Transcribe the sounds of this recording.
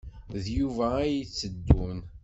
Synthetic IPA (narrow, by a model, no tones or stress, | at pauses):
ðjuvæːjit͡sːəd̪ːun